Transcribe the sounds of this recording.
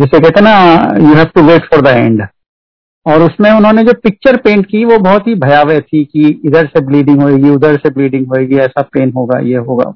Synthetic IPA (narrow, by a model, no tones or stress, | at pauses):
d͡ʒɛsekɛɦt̪eɦɛnajuɦɛːʋʈuʋeːʈfɔːɾd̪əɛ̰̃ːɳɖ | ɔːɾʊsmẽʊnɦõːned͡ʒoːpɪk̚t͡ʃəɾpẽːɳʈkiʋobɔːt̪ɦibʱɐjaːʋɛt̪ʰikiɪd̪əɾsebliːɖɪ̃ŋɡɦoːeːɡiʊd̪əɾsebliːɖɪ̃ŋɡɦoːeːɡiɛːsapeːnɦoːɡa̰ːjeɦoːɡa̰ː